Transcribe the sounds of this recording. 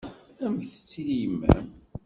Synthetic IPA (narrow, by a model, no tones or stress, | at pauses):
æmçθə̥t͡sːilijmːæ̰m